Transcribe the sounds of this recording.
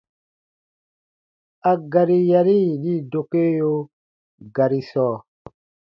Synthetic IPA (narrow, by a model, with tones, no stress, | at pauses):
a˨ɡa˨ɾi˦ja˨ɾi˦˨ɗi˦˨do˨ke˦jo˦ | ɡa˨ɾi˦sɔː˦˨